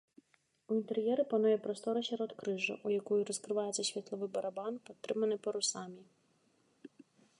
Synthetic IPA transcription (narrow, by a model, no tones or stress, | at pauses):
uint̪eɾjɛɾɪpɐnujɛpɾɔst̪ɔɾɐɕʲɛɾɔt̪kɾɪʒɐ̰ʔujɐkɔjuɾɔskɾɪʋɑjet͡sʲːɐsʲʋʲit̪lˠɔʋɪbɐɾɐbɑnpɔt̪ːɾɪmɐnɪjpɔɾʊsɑmʲi